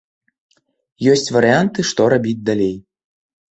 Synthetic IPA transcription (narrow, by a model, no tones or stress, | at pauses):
jɔsʲt͡sʲvɐɾɨant̪ɨʂt̪ɔɾabʲid͡zʲd̪alʲej